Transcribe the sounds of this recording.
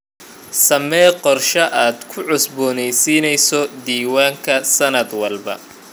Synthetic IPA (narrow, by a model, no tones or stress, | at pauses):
sɐmɛːqɔrʃɐʔaːd̪̥kʰʊʕʊsbɔːnɛjsiːnɛjsɔd̪iːwaːŋkʰɐsɐnɐd̪wɐlbɐ̰